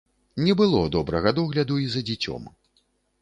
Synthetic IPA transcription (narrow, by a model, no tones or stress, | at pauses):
nʲɛbɨlˠɔd̪ɔbɾɐɣɐd̪ɔɣlʲɐd̪uizɐd͡zʲɛt͡sʲɔ̰m